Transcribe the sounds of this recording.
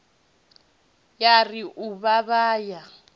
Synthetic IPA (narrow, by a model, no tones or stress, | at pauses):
jariʔuβaβaːja